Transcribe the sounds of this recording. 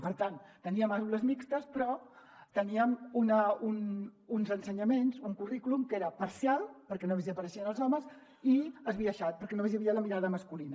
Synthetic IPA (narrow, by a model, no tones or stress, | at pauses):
pəɾt̪ant̪əniəmauləzmikst̪əspɾɔt̪əniəmunəununzənsəɲəmenzuŋkurikulumkeɾəpəɾsialˠpəɾkɛnomeziəpəɾəʃiənəlˠzɔməz | iəzβiəʃat̪̚pəɾkɛnomezjəβiələmiɾaðəməskulinə